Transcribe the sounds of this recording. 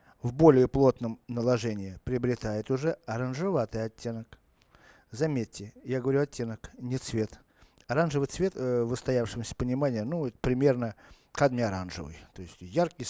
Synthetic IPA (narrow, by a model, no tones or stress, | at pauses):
vbo̞lʲɪɪplˠo̞t̪nəmnəlˠɐʐɛnʲɪɪpɾʲɪəbɾʲɪt̪ajɪt̪ʊʐɛɐɾənʐɨvat̪ɨjɐtʲːenək | zɐmʲetʲːɪjaɡəvɐɾʲuɐtʲːenəknʲɪt̪svʲe̞t̪ | ɐɾanʐɨvɨjt̪svʲe̞t̪vəst̪ɐjafʂɨmsʲə̥pənʲɪmanʲɪjənuɛt̪əpɾʲɪmʲe̞rnə | kad̪mʲɪɐɾa̰nʐɨ̰vɨ̰jt̪o̞ɪsʲtʲjarkʲɪj